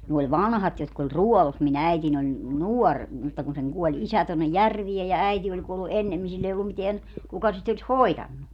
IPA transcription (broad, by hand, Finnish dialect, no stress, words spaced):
ne olʲ ʋɑnhɑt jotk olʲ ruɔlus min æitin olʲ nuor mutːɑ kun seŋ kuɔlʲ isæ tonːej jærʋiej jɑ æiti olʲ kuolːu ʔenːemːin silː ei olːum miteæn kukɑ sit olʲis hoitɑnːu